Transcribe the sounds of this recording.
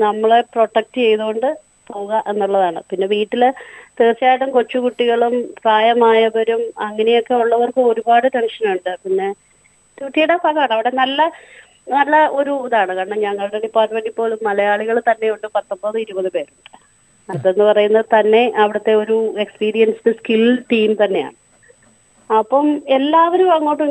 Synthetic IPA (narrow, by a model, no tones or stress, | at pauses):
nɐmːɐɭepro̞ʈːɐk̚ʈɨt͡ɕe̞jðuɣo̞ɳɖɨ | poːɣɐʔe̞nːuɭːɐðaːɳɨ̰pinːe̞ʋiːʈːilt̪eːt͡ɕːaːjʈːumko̞t͡ɕːukuʈːiɣɐɭumpraːjɐmaːjɐbɐɾumɐŋːɐne̞jo̞kːe̞uɭːɐʋɐrkɨo̞ɾubaːɽɨteɳʂɐnuɳɖɨpinːe̞ | t̪uʈːijuɽepaɣɐaːɳɨɐʋiɽe̞nɐlːɐ | nɐlːɐo̞ɾuðaːɳɨkɐɳːɐmɲɐŋːɐɭɽeɖipːaːrʈmeɳɖipːo̞ːɭumːɐlɐjaːɭiɣɐɭt̪ɐnːe̞juɳɖɨpɐt̪ːombɐðɨiɾubɐðɨpe̞ːɾuɳɖɨ̥ | ɐt̪ːe̞nːɨpɐrɐjunːɐðɨt̪ɐnːe̞ʔɐʋiɽɐt̪ːe̞o̞ɾue̞kspiːɾijɐnsɨɨskilʈiːmt̪ɐnːe̞ja̰ːɳɨ | ɐpːɐme̞lːaːʋɐɾumʋɐŋːoːʈːu